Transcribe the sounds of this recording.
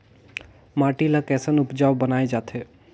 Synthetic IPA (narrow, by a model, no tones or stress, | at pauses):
maːʈilakɛːsənʊpd͡ʒaːʋbənaːed͡ʒaːt̪ʰe